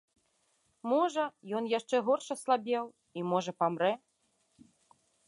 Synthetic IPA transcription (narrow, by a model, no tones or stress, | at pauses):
mɔʐɐjɔnjaʂt͡ʂɛɣɔrʂɐslˠabʲɛw | imɔʐɐpamɾɛ